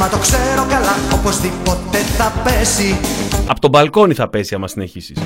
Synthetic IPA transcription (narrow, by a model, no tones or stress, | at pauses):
mɐt̪okseɾo̞kalɐopozðipot̪eθɐpesiɐpot̪obɐlko̞niθɐpe̞siɐmɐsine̞çisis